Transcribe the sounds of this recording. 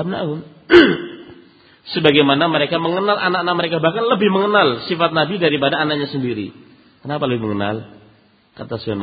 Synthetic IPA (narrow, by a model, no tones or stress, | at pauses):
am̚na̰ʊn | səbaɡajmanaməɾekaməŋənalʔanaknaʔ̚məɾekabahkanləbɪhməŋənalsifat̪̚nabidaɾipadaːnak̚ɲasəndiɾḭ | kənapaləbɪɦməŋəna̰l | kat̪asuan